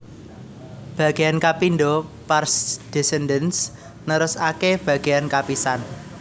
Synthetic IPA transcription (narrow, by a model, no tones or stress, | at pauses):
b̥ä̤ɡ̥ejankapinɖɔparsd̪̥ɛsɛndəns | nəɾʊsakeb̥ä̤ɡ̥e̤ankapisan